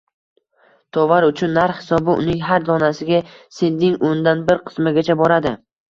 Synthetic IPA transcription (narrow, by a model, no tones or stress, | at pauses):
t̪ʰɒvaɾʊt͡ʃʰʊnːaɾhhɪsɒbɪʊ̰nɪŋɦaɾd̪ɒnasɪɡʲasend̪ɪŋond̪anbɪɾqʰɨ̥smɪɡʲat͡ʃʰabɒɾad̪ɪ